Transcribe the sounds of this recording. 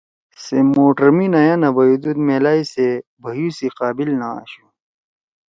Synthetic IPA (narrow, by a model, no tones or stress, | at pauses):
semoːʈəɾminɐjãnɐbɐjud̪ud̪meːlaːisebʱɐjusiqaːbilnaa̰ɕu